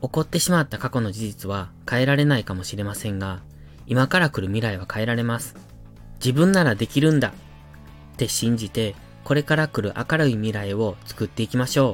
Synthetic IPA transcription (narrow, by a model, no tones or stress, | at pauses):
o̞ko̞t̪ːe̞ɕimat̪ːakako̞no̞d͡ʑiʑit͡sɨβakae̞ɾaɾe̞naikamo̞ɕiɾe̞masẽ̞ŋɡa | imakaɾakɯ̟ɾɯ̟mʲiɾaiβ̞akae̞ɾaɾe̞masɨ̥ | d͡ʑibɯ̟̃nːaɾad̪e̞kʲiɾɯ̟̃nd̪a | t̪e̞ɕĩɲ̟d͡ʑit̪e̞ | ko̞ɾe̞kaɾakɯ̟ɾɯ̟ʔa̰kaɾɯimʲiɾaeo̞t͡sɨ̥kɯ̟t̪ːe̞ikʲimaɕo̞ː